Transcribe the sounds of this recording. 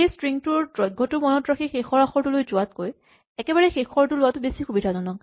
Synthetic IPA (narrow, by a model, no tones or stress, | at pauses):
ejstɹiŋtʊɹdɹɔjɡʱːɔtʊmɔnɔtɹaxʰixexɔɹaxɔɹtʊlojzʊat̚koj | ɛkɛbaɹɛxexʰɔɹtʊlʊwatʊbesixubidʰʱazɔnɔk